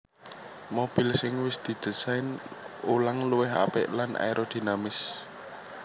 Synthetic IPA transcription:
mob̥i̤lsɪŋwɪsd̪̥i̤d̪̥ə̤saɪnulaŋluwɪɦa̰pɪ̰ʔlanʔa̰jɾʔod̪̥i̤namɪs

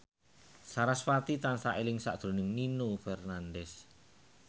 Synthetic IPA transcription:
saɾasfat̪it̪ansaʔelɪŋsa̰ʔd̪̥ɾo̤nɪŋninufɛrnandɛs

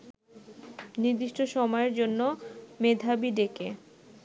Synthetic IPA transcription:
niɾd̪iʃʈʰoʃɔmɔeɾd͡ʑonːomed̪ʱabiɖeke

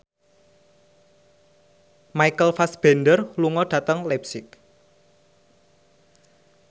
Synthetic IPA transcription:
majkəlfasb̥e̤nɖərluŋɔɖ̥ä̤t̪əŋlɛpsɪk̚

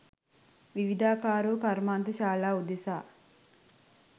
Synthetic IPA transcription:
ʋiʋid̪ʱaːkaːɾuːkɐɾmaːnt̪ɐʃaːlaːud̪esaː

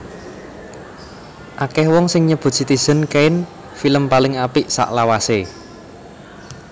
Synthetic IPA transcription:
ʔakɛhwɔŋsɪŋɲəb̥ṳd̥ʒ̥i̤t̪iz̥ə̤nkeɪn | filəmpalɪŋapɪʔsa̰ʔlawase

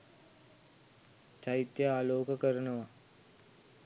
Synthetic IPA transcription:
t͡ʃaɦit̪jəaːloːkəkəɾənəʋa

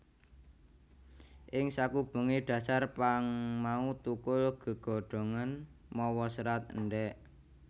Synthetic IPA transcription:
ʔɪŋsakub̥ṳŋeɖ̥ä̤sarpaŋmaut̪ukʊlɡ̥ə̤ɡ̥ɔ̤ɖ̥o̤ŋanmɔwɔsɾat̪̚ɳɖɛʔ

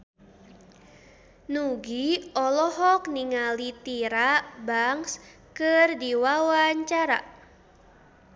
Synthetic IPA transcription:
nuɡiɔlɔɦɔkniŋalit̪iɾabaŋs | kɨrdiwawaɲt͡ʃaɾa̰

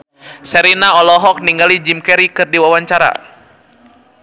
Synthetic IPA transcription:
sɛɾinaɔlɔɦɔk̚niŋɡalid͡ʒimkɛɾikɨrdiwawaɲt͡ʃaɾa̰

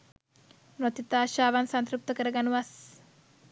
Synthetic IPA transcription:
not̪it̪aːʃaːʋansant̪ɾup̚t̪əkəɾəɡanuʋas

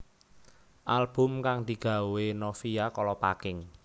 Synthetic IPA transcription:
ʔalb̥ʊ̤mkaŋd̪̥i̤ɡ̥ä̤wenofiakɔlɔpakɪŋ

